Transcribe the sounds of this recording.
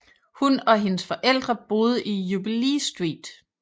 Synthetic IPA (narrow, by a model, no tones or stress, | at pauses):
hunɒ̽ɦe̝nəsfɒ̽ʔel̰d̥ʁɐb̥o̝ːð̞ˠəʔijub̥ileːsd̥ʁḭːd̥